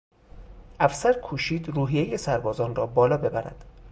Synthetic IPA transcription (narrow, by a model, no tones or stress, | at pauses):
ʔæfsæɾkʰuːʃiːd̪ruːɦije̞jesæɾbɒːzɒːnrɒːbɒːlɒːbe̞bæɾæ̰d̪̥